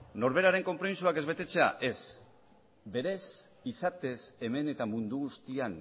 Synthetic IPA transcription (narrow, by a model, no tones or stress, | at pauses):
no̞ɾβe̞ɾaɾe̞ŋko̞mpɾo̞misuake̞zβe̞t̪e̞t͡se̞a̰ʔe̞s | be̞ɾe̞s | isat̪e̞se̞me̞ne̞t̪amund̪uɣ̞ust̪ian